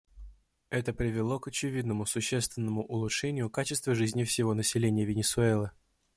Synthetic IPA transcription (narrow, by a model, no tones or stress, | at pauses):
ɛt̪əpɾʲɪvʲɪlˠo̞kət͡ɕɪvʲid̪nəmʊsʊɕːest̪vʲɪnːəmʊʔʊlˠʊtʂɛnʲɪjʊkat͡ɕɪst̪vəʐɨzʲnʲɪfsʲɪvo̞nəsʲɪlʲenʲɪjəvʲɪnʲɪsʊɛlˠɨ